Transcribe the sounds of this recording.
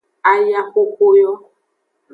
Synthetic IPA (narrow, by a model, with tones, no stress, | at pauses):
a˨ja˦xo˦ko˦jɔ˦